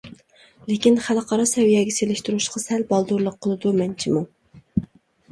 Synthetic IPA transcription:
lekʲinχælqʰɑɾɑsɛwijɛɡʲɛselɪʃt̪uɾuʃqʰɑsɛlbɑlˠd̪uɾlˠəqʰːəlˠɨd̪umɛnt͡ʃʰimu

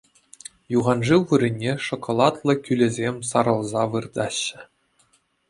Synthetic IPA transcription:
juʁɑnʐɯwʋɯɾʲɘ̆nʲːeʂŏkŏlˠɑt̪lˠɤ̆kʲylʲɘ̆zʲemʲsɑɾɤ̆lˠzɑʋɯrd̪ɑɕːɘ̆

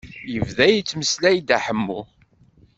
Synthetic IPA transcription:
jəvðæjit͡sːməslæjd̪aħəmːu

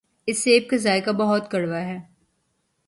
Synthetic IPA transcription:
ɪsːeːb̚kazaːjkabɐɦʊt̪kɐɽʋaɦɛː

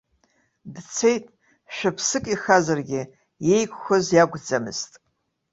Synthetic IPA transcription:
dt͡sʰejtʼ | ʃᶣapʰsɨkʼiχazarɡʲɪ | je̞jkʷʰʼχʷʊzjaɡʷd͡zamɨ̰z̥tʼ

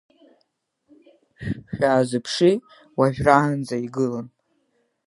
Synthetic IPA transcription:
ʃᶣaːzɨpʰʂi | waʒᶣraːnd͡zaiɡɨlan

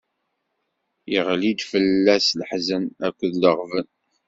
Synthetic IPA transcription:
iʁlid̪fəlːæsləħzənækʷːəðləʁvən

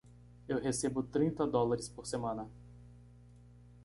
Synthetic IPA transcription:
ewɦesebʊt̪ɾĩnt̪ɐd̪ɔlaɾɪspoɾsemɐ̃nɐ

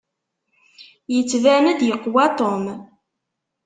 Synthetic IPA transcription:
jət͡sːvænæd̪jəqːwæt̪ˤom

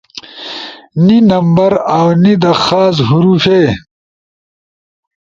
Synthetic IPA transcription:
ninɐmbɐɾaːwnid̪ɐxaːzɦuɾufeː

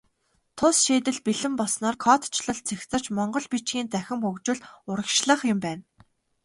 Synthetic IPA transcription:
t̪ʰʊsʃeːt̪ɘ̆ɮpiɮɘ̆mpɔsnɔːrkʰɔt̪t͡ɕʰɮə̆ɮt͡sʰexʲt͡sə̆t͡ɕmɔɴɢɞ̆ɮpit͡ɕɡʲiːnt͡sæxʲɪ̆mɵkt͡ɕɪ̆ɮʊɾə̆kʃɮə̆χjʊ̆mpæːn

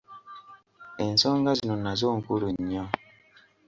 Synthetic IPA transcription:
ɛn̩soŋɡazinonazoŋ̩kuɾuɲɔ

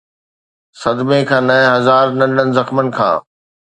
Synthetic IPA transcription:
sɐd̪mekʰãːnɐɦɪ̃ɦɐzaːɾnɐnənɪ̆zɐxmənɪ̆kʰã̰ː

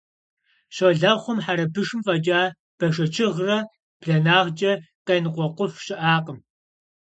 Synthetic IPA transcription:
ɕɐɮɐχʷʊmħaɾɐbɨʂɨmfɐd͡ʒʼaː | b̥ɐʂɐt͡ʃʰɪʁrɐ | b̥ɮɐnaːʁd͡ʒʼɐqɐjnɨqʷɔqʷʊfɕɪʔaːqəm

